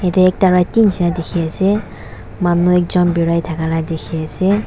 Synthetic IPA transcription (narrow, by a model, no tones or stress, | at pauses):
ɛtɛɛk̚taɹajtinsinadekʰiasɛ | manuɛkzɔnbiɹajtʰakaladekʰiasɛ